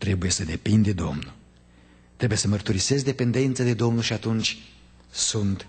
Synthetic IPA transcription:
t̪ɾe̞buje̞səd̪e̞pind̪e̞d̪o̞mnul | t̪ɾebuje̞səmərt̪uɾise̞zd̪e̞pe̞nd̪e̞nt̪sad̪e̞d̪o̞mnulʃiat̪unt͡ʃʲ | sunt̪

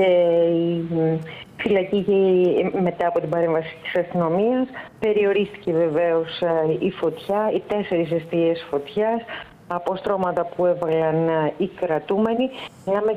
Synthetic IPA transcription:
ei | filɐcieme̞t̪ɐːpo̞t̪ibɐɾe̞ɱvɐsi̥t̪i̥sɐst̪ino̞miɐspe̞ɾio̞ɾist̪i̥ce̞ve̞ve̞o̞sifo̞t̪çɐit̪e̞se̞ɾis̬est̪iesfo̞t̪çɐs | ɐpo̞st̪ɾo̞mɐt̪ɐpue̞vɐlɐnikɾɐt̪ume̞nilɐme

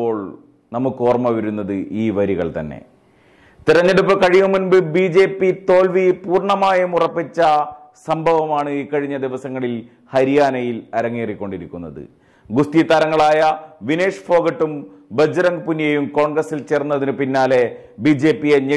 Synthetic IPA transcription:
o̞ːɭ | nɐmukːɨo̞ːrmɐʋɐɾunːɐðɨʔiːʋɐɾiɣɐɭt̪ɐ̰nːḛ | t̪iɾɐɲːeɽupːɨkɐɻijɐmunbɨbiːd͡ʑe̞ːpːit̪o̞ːlʋipuːrɳɐmaːjɐmurɐpːit͡ɕːɐ | sɐmbʱɐʋɐmaːɳɨikːɐɻiɲːɐd̪iʋɐsɐŋːɐɭil | hɐɾijaːnɐjilɐɾɐŋːiːrikʲːo̞ɳɖiɾikʲːunːɐðɨ̰ | ɡust̪it̪ɐɾɐŋːɐɭaːjɐʋine̞ːʂfo̞ːɡɐʈːum | bed͡ʑɐɾɐŋɡpunːijejumko̞ːɳɡrɐsːilt͡ɕe̞ːrnːɐðinɨpinːaːle̞biːd͡ʑe̞ːpːijeɲe

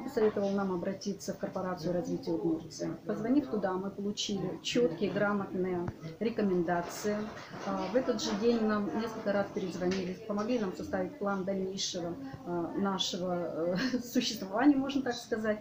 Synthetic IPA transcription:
jpəsɐvʲe̞t̪əvəlˠnamɐbɾɐtʲit̪sːəfkərpɐɾat̪sɨjʊɾɐzvʲitʲɪjət̪mʲort̪ʲɪpəzvɐnʲift̪ʊd̪amɨpəlˠʊt͡ɕilʲɪt͡ɕot̪kʲɪjəɡɾamət̪nɨjəɾʲɪkəmʲɪnd̪at̪sɨjɪ | vɛt̪əd̪ʐɨdʲenʲnamnʲe̞skəlʲkəɾaspʲɪɾʲɪzvɐnʲilʲɪpəmɐɡlʲinamsɐst̪avʲɪt̚ʲplˠand̪ɐlʲnʲejʂɨvənaʂɨvə | sʊɕːɪ̥st̪vɐvanʲɪjəmo̞ʐnət̪akskɐzatʲ

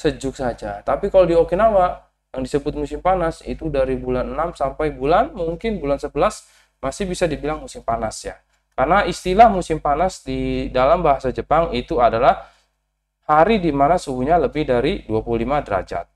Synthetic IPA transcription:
səd͡ʒʊk̚sad͡ʒat̪apikalodiokinawa | jaŋdisəbʊt̪̚musɪmpanasḭt̪udaɾibulanənamsampajbulanmuŋkɪnbulansəbəlas | masɪhbisadibilaŋmusɪmpanasja̰ | karnaist̪ilahmusɪmpanasdidalambaɦasad͡ʒəpaŋit̪uadalah | haɾidimanasubuɲaləbɪhdaɾiduapululimadəɾa̰d͡ʒa̰t̪̚

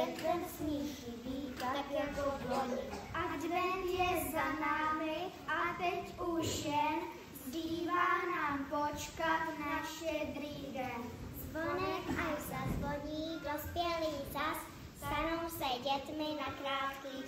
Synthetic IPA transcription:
ɛɛsɲiʒɪviːaaɛkɔɔɲiʔad̪nɛnjɛzanaːmɪʔat̪ɛcuʒɛn | zdiːvaːnaːmpot͡ʃkat̪naʃɛd̪ɾiːdɛnzvɔnɛkasazvoɲiːd̪ospɪjɛliːt͡ʃas | st̪anowsɛɟɛt̪mɪnakɾaːt̪kiː

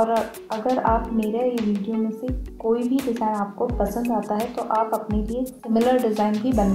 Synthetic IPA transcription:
ɔːɾ | ɐɡəɾaːpmeːɾaeʋiːɖijomẽsekoːibʱid̪ɪsaːnaːp̚kopɐsə̃nd̪aːt̪aɦɛt̪oʔaːpɐpneliesɪmɪləɾɖɪzaːɪnbʱibɐn

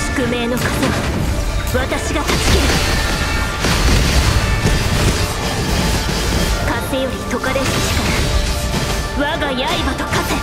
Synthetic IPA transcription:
sɨ̥kɯ̟me̞ːno̞kat̪oβa | βat̪aɕiɡat̪at͡sɨ̥kʲeɾɯ̟ | kãnt̪ːe̞jo̞ɾʲit̪o̞kad̪esoɕi̥kanai | βaɡaijaibat̪okat̪e

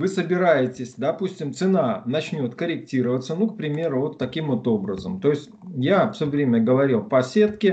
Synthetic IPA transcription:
vɨsəbʲɪɾajɪtʲɪsʲd̪ɐpusʲtʲɪmt̪sɨnanɐt͡ɕnʲo̞t̪kəɾʲɪk̚tʲiɾəvət̪sənuk̚pɾʲɪmʲe̞ɾʊvo̞t̪ːɐkʲimvot̪o̞bɾəzəmt̪o̞ɪsʲtʲjafʲsʲovɾʲemʲəɡəvɐɾʲilˠpɐsʲe̞t̪kʲɪ

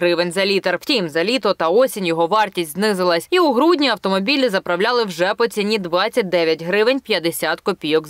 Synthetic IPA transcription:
ɾɪʋenʲzɐlʲit̪ɐrw̥tʲimzɐlʲit̪ɔt̪ɐɔsʲinʲjɔɦɔʋɑrtʲisʲtʲznɪzɪlˠɐsʲiʊɦɾudʲnʲiɐwt̪ɔmɔbʲilʲizɐpɾɐwlʲalˠɪwʒɛpɔt͡sʲinʲid̪ʋɑt͡sʲːɐt̚ʲd̪ɛʋʲjɐtʲɦɾɪʋɪnʲpjɐd̪esʲat̪kɔpʲijɔk

